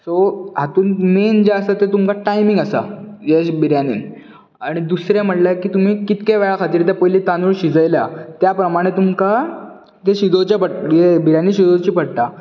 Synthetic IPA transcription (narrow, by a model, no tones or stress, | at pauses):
soɦat̪uːnmend͡ʑaəsat̪et̪umkaʈajmiŋɡəsa̰jebiɾjanḭn | aɽ̃id̪usɾjam̤əʈlakiːt̪um̤iːkit̪kaʋɛɭakʰat̪iːɾt̪̬japəjliːt̪anuɭɕid͡zəjlja̰t̪japɾəmaɽ̃et̪umka | t̪eɕid̪ot͡ɕapəɽjebiɾjaniːɕid̪od͡zt͡ɕiːpəɽt̪a